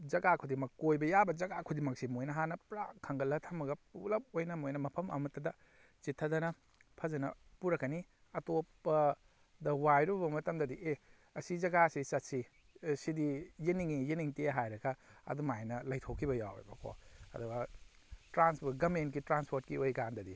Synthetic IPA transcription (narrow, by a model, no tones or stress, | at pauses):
d͡ʒɐɡakʰudimɐkojbɐjabɐd͡ʒɐɡakʰudimɐksimojnɐɦanɐpɾa̰kʰɐŋɡɐlɐtʰɐmɐɡɐpṵlɐp̚ojnɐmojnɐmɐpʰɐmɐ̰mɐtːɐdɐ | t͡ʃitʰːɐdɐnɐ | pʰɐzɐnɐpuɾɐkːɐni | ɐtopːɐ | dɐwajɾubɐmɐtɐmdɐdiʔe | ɐsid͡ʒɐɡasisɐt̚si | sidijiniŋijiniŋteɦajɾɐkɐɐ̰dumajnɐlɐjtʰowkʰːibɐja̰w̰jbɐkʰo̰ɐ̰duɡɐtɾanspoɡɐmentkitɾanspʰoɾt̚kiojkandɐdi